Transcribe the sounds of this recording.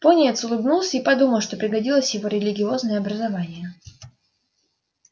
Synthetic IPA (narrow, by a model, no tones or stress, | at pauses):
ponʲɪjɛt̪sʊlˠɨbnulˠsʲəipɐd̪uməlˠʂt̪o̞pɾʲɪɡɐdʲilˠəsʲjɪvo̞ɾʲɪlʲɪɡʲɪo̞znəjəɐbɾəzɐvanʲɪjə